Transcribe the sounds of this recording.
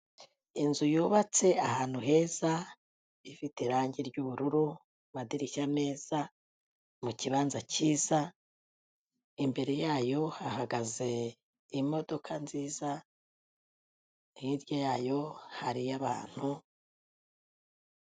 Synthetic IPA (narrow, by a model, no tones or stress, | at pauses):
inzujuːβat͡se̞ahaːn̥huɦe̞ːz̥a | ifiteɾaːɲɟiɾɟuβuɾuɾu | βadiɾiʃane̞ːz̥a | muciβaːnzaciːza | imbe̞ɾe̞jaːjo̞hahaɡaze̞ | imo̞do̞kʰanziːza | hiɾjojaːjo̞haɾijaβa̰ːn̥hu